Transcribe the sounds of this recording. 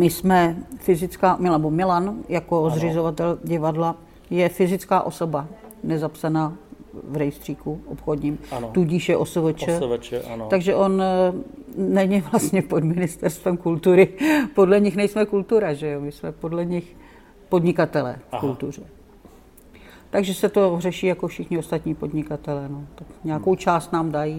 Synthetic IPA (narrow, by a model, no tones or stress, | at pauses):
mɪsmɛfɪzɪt͡skaːmɪnbomɪlanjako̞zr̝ɪzovat̪ɛlɟɪvadla | jɛfɪzɪt͡skaːʔo̞so̞banɛzapsanaːvɾɛjst̪r̥iːkuʔopxodɲiːmt̪uɟɪʃjɛʔosovɛt͡ʃɛɛaɡʒɛʔo̞n | ɛɲɪvlast̪ɲɛpo̞dmɪnɪst̪ɛɾst̪vɛmkult̪uɾɪpo̞dlɛɲɪxnɛjsmɛkult̪uɾaʒɛjomɪsmɛpodlɛɲɪx | po̞dɲɪkat̪ɛlɛ̰ːfkult̪ur̝ɛ | t̪aɡʒɛsɛt̪o̞rɛʃiːjakofʃɪxɲɪost̪at̪ɲiːpo̞dɲɪkat̪ɛlɛːnot̪akɲɛako̞wt͡ʃaːst̪naːmdaji